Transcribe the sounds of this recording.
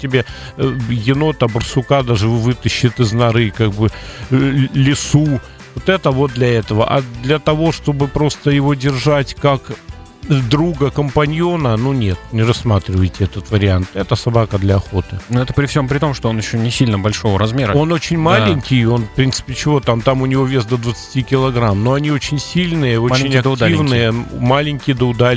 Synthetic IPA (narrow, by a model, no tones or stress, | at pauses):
tʲːɪbʲe | jɪno̞t̪abərsʊkad̪aʐɨvɨt̪əɕːɪt̪ɨznɐɾɨkaɡ̚bɨ | lʲɪsu | vot̪ɛt̪əvo̞t̪̚d̪lʲɐɛt̪əvə̰ʔa̰d̪lʲɐt̪ɐvo̞ʂt̪o̞bɨpɾo̞st̪əjɪvo̞dʲɪrʐatʲkak | d̪ɾuɡəkəmpɐnʲjo̞nənunʲet̪nʲɪrɐsːmat̪ɾʲɪvəjtʲɪɛt̪ət̪vəɾʲɪant̪ɛt̪əsɐbakəd̪lʲɐɐxo̞t̪ɨnuɛt̪əpɾʲɪfsʲo̞mpɾʲɪt̪o̞mʂt̪oonjɪɕːonʲɪsʲilʲnəbɐlʲʂo̞vəɾɐzmʲeɾəo̞no̞t͡ɕɪnʲmalʲɪnʲkʲɪjo̞nfpɾʲint̪sɨ̥pʲɪt͡ɕɪvo̞t̪amt̪amʊnʲɪvo̞vʲe̞st̪d̪əd̪vət̪sɨ̥tʲikʲɪlˠɐɡɾamno̞ɐnʲio̞t͡ɕɪnʲsʲilʲnɨjəoɪnʲɐk̪dt̪aivnɨjəmalʲɪnʲkʲɪjd̪əʊd̪a